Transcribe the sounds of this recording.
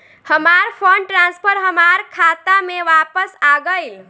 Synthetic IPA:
həmaɾpʰəɳʈɾãnspʰəɾɦəmaɾkʰat̪amẽʋapəsaɡəjl

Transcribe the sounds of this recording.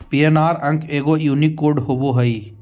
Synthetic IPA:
pijenaːɾɐ̃ŋkeːɡoːjuːnikːoːɾɖɦoʋoɦɐiː

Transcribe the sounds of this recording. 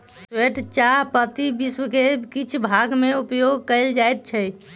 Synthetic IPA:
ssweʈt͡ʃaɦpət̪ibiswəkekit͡ʃʰbʱaɡmeupjoɡ̚kəld͡ʒaet̪̚t͡ʃʰɛ

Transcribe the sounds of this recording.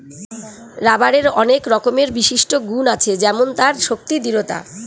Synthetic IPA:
ɾabaɾeɾɔnekɾɔkomeɾbiʃiʃʈoɡunat͡ɕʰed͡ʑɛmont̪aɾʃok̚t̪id̪iɾot̪a̰

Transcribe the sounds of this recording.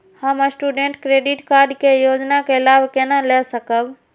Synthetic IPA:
həməsʈuɖẽɳʈkɾeːɖiʈkaːɾɖkejod͡ʒnakeɪlaːbkenalɛsəkəb

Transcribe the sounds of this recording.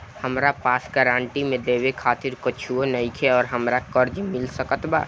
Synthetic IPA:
həmɾapasɡəɾaɳʈimẽd̪ebekʰat̪iɾkət͡ʃʰuonəjkʰeɔːɾɦəmɾakəɾd͡ʒmilsəkət̪ba̰

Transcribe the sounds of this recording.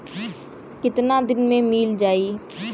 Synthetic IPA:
kɪt̪naːd̪ɪnmẽːmiːld͡ʒaːiː

